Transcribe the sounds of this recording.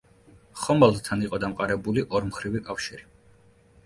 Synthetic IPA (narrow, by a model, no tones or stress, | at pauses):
χɔmalˠt̪ʰaniqʼɔd̪amqʼaɾɛbuliʔɔɾmχɾivikʼafʃiɾi